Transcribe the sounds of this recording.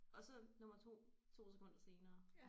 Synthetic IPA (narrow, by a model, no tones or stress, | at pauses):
ɒ̽sɒ̽nɔ̽mɐt͡sʰo̝̰ː | t͡sʰo̝̰ːse̥kʰɔ̽n̰d̥ɐse̝ːnɐː